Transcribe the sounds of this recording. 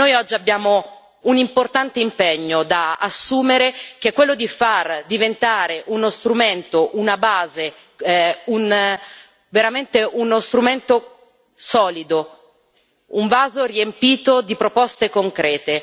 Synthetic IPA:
nojɔd͡ʒːiabjaːmo | unimport̪ant̪eimpeɲːod̪aasːuːmeɾek̟ekːwelːod̪ifard̪ivent̪aːɾeʔunost̪ɾument̪oʔunabaːze | un | veɾament̪eunost̪ɾument̪o | sɔːlid̪o | uɱvaːzoriempiːt̪od̪ipɾopɔst̪ekoŋkɾɛːt̪e

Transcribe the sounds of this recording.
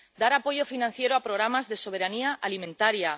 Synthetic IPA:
d̪aɾapo̞ʝo̞finãn̟θje̞ɾoapɾoɣ̞ɾamazðe̞so̞β̞e̞ɾaniaalimẽnt̪aɾja

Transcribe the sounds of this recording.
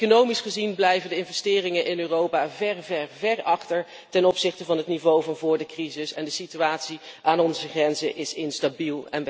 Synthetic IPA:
konowmisχəzinblɛjvəndəɪnvɛstɪːrɪŋəʔɪnøːrowpaːvɛɹvɛɹvɛɹɑχtəɹ | tɛnɔpsɪχtəvɑnɦətnivowvɑnvʊːɹdəkrizɪsɛndəsityaːtsiʔaːnɔnzəχrɛnzəʔɪsɪnstabilˠɛ̰n

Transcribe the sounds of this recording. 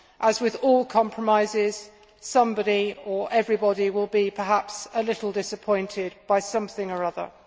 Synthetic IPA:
ʔəzwɪðɔːlˠkʰɒ̃mpʰɹ̥əmaɪzɪz̥ | sʌ̃mbɑɾiə˞ʔɛvɹibɒɾiwɪlˠbipʰəɦapsəlɪɾˡl̩ˠdɪsəpʰɔ̃ɪ̃ntʰɪd̚b̥aɪsʌ̃mθɪ̃ŋə˞ʌðə̰˞

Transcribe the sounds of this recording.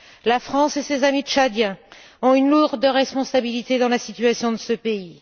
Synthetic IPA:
lafχɑ̃sesezamit͡ʃad̪jɛ̃ | ɔ̃ynluʁd̪əʁɛspɔ̃sabilit̪ed̪ɑ̃lasit̪ɥasjɔ̃d̪əsəpei

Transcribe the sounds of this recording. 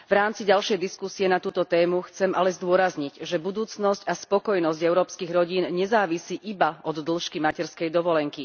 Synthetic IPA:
ʋɾaːmt͡siɟalʃɛjd̪iskusiɛnat̪uːt̪ɔt̪ɛːmuxt͡sɛmalɛzd̪ʊɔɾazɲiɟʒɛbud̪uːt͡snɔscaspɔkɔjnɔzɟɛʊɾɔːpskiɣɾɔɟiːnɲɛzaːʋisiːʔibaɔd̪ːl̩ʃkimacɛɾskɛjd̪ɔʋɔlɛŋki

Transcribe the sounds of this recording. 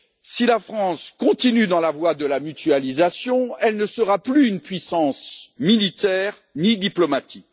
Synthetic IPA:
silafχɑ̃skɔ̃t̪inyd̪ɑ̃lavwad̪əlamyt̪yalizasjɔ̃ɛlnəsəʁaplyːnpɥisɑ̃smilit̪ɛːʁ | nid̪iplɔmat̪ʰik̚

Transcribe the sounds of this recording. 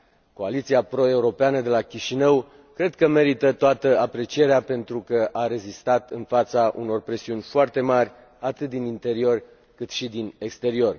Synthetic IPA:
ko̞alit̪siapɾo̞e̞uɾo̞peanəd̪e̞lakʲiʃinəw | kɾe̞d̪kəme̞ɾit̪ət̪oat̪əapɾe̞t͡ʃie̞ɾeape̞nt̪ɾukəʔaɾe̞zist̪at̪ɨnfat̪saʔṵno̞rpɾe̞siunʲfoart̪e̞marʲ | at̪ɨt̪̚d̪inint̪e̞ɾio̞rʲ | kɨt̪ʃid̪ine̞kst̪e̞ɾio̞r

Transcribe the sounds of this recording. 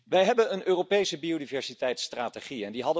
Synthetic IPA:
ʋɛjɦɛbənənʔøːropejsəbiodivɛɹsitɛjtstraːteχiɛndiɦɑdə

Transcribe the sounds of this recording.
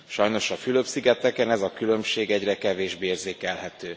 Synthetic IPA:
ʃɒjno̞ʃɒfyløpsiɡɛt̪ɛkɛnɛzɒkylø̞mʃeːɡɛɟrɛkɛveːʒbeeːrzeːkɛlɦɛt̪øː

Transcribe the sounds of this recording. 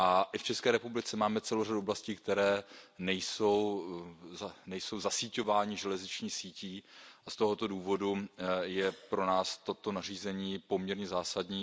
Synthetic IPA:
ʔaʔɪft͡ʃɛskɛːɾɛpublɪt͡sɛmaːmɛt͡sɛlowraduoblasciːk̚t̪ɛɾɛːnɛjso̞wzanɛjso̞wzasiːco̞vaːɲɪʒɛlɛzɲɪt͡ʃɲiːxsiːciːʔast̪o̞ɦo̞t̪o̞duːvo̞dujɛpɾo̞naːst̪o̞t̪o̞nar̝iːzɛɲiːpo̞mɲɛɾɲɛzaːsadɲiː

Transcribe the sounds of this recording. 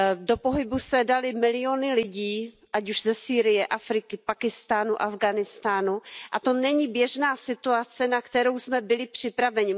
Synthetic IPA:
do̞poɦɪbusɛdalɪmɪlɪjo̞nɪlɪɟiː | ʔacuʒzɛsiːɾɪjɛʔafɾɪkɪpakɪst̪aːnuʔavɡanɪst̪aːnuʔat̪o̞nɛɲibjɛʒnaːsɪt̪uat͡sɛnakt̪ɛɾo̞wsmɛbɪlɪpr̝̥ɪpɾavɛɲɪ

